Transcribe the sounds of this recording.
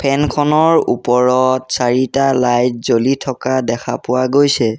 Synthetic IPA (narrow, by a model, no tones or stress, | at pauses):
pʰɛnkʰɔnɔɹupɔɹɔtsaɹitalajt̚zolitʰɔkadɛkʰa̰pʊwaɡojsɛ